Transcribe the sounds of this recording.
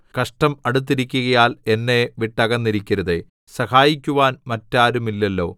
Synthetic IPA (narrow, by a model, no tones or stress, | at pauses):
kɐʂʈɐmɐɽut̪̬ːiɾikʲːuɣɐjaːle̞nːeʋiʈːɐɣɐnːiɾikʲːɐɾɐðe | sɐhaːjikʲːuʋaːnmɐtːaːɾumilːɐlːo̞̰ː